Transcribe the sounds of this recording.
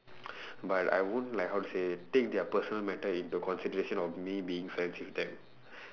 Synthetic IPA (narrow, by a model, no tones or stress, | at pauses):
bata̰jwõnlaɪkɦawtusetek̚d̪ɛəpəsɔnəlmɛʈəĩntukɔ̃nsidəɾeʃə̃nɔfmibiĩŋsɛ̃nsifd̪ɛ̃m